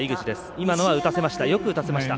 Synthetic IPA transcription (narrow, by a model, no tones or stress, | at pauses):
iɡɯ̟t͡ɕid̪e̞sɨ̥imano̞βaɯ̟t̪ase̞maɕi̥t̪ajo̞kɯ̟ɯ̟t̪ase̞maɕi̥t̪a